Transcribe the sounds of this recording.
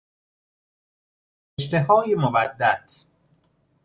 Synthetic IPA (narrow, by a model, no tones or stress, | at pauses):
eʃt̪eɦɒːjemobæd̪ːæt̪ʰ